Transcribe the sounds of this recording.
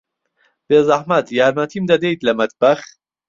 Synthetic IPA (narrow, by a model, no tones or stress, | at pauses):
b̥eːzɐħmɐt̪jaːɾmɐt̪ʰimd̪ɐd̪ejt̪lɐmɐt̪̚bɐx